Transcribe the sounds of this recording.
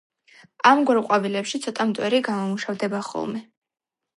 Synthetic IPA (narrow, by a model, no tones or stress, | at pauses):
amɡwɛɾqʼavilɛpʃit̪sʰɔt̪ʼamt̪ʼwɛɾiɡamɔmuʃavd̪ɛbaχɔ̰lˠmɛ